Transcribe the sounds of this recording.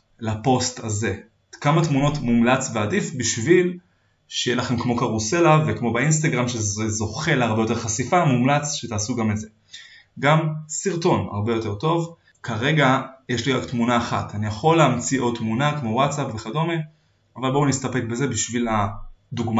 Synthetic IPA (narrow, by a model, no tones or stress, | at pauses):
lapo̞staze̞ | kamatmuno̞tmumlat͡sveadifbiʃvil | ʃejelaχe̞mkmo̞kaʁuse̞lavekmo̞beins̬t̪aɡʁamʃezezo̞χe̞laʁbejote̞χasifamumlat͡sʃet̪aːsuɡameze | ɡamsiʁto̞na̰ʁbe̞jo̞te̞ʁto̞v | kʰaʁe̞ɡajeʃliʁaktmunaːχa̰tanijaχo̞lːeamt͡siʔo̞t̪munakmo̞watt͡sapveχado̞me | avalbonist̪ape̞k̚be̞ze̞biʃvilad̪uɡma